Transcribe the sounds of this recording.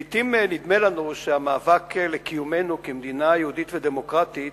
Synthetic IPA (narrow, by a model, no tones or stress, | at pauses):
it̪imnid̪me̞lanuʃeamaːvaklekijume̞nukemd̪inajeud̪it̪ved̪emo̞kʁat̪it